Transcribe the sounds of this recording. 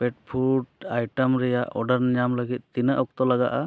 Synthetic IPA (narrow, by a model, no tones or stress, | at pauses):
pɛʈ̚pʰuɾʈajʈəmɾɛjaʔɔɖəɾnɲamləɡit̪̚ˀt̪inəʔɔk̚t̪ɔlaɡaʔa